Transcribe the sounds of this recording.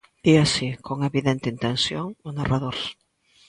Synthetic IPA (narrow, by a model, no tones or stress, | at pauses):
iasikoŋeβiðent̪eint̪ensjoŋonaraðoɾs